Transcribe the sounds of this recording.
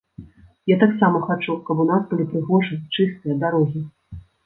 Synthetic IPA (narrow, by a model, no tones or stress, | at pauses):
jat̪aksamɐxat͡ʂukɐpunasbɨlʲipɾɨɣɔʐɨt͡ʂɨst̪ɨjɐd̪aɾɔɣʲi